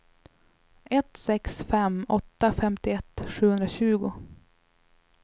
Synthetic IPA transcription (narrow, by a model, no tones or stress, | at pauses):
ɛt̪sɛksfɛmɔt̪ːafɛmt̪ɪɛt̪ːɧʉ̟ːhɵnd̪ɾaɕʉ̟ːɡʊ